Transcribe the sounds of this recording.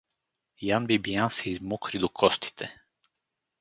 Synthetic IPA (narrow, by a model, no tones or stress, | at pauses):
janbibijansɛizmɔkɾid̪ɔkʰɔst̪i̥t̪ʰɛ